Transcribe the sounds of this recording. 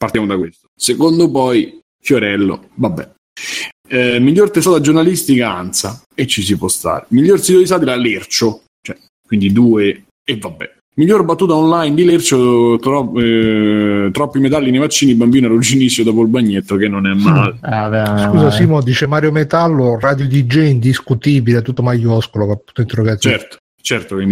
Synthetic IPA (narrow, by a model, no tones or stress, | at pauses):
part̪jamod̪akwest̪o̥sekond̪opɔj | fjoɾɛlːo̰vabːɛ̰ | miʎːort̪esɔd̪ad͡ʒornalist̪ikaa̰nt̪sa | et͡ʃːisipwɔst̪a̰ːɾemiʎːorsid̪od̪is̬aːt̪ilalert͡ʃo | t͡ʃoɛ | kːwind̪id̪uːe | evːabːɛ̰ | miʎːorbat̪ːuːt̪aɔnlajnd̪ilert͡ʃot̪ɾɔ | t̪ɾɔpːimet̪alːinevat͡ʃːiːnibambiːnoalud͡ʒinisjod̪ɔːpolbaɲːet̪ːokenːonɛmːaːleavskkuːzasiːmod̪iːt͡ʃemaːɾjomet̪alːorad̪jod̪id͡ʒɛind̪iskut̪iːbileat̪ut̪ːomajɔskolokapːunt̪oint̪eroɡat̪t͡ʃɛɾt̪o̥ | t͡ʃɛrt̪okwind̪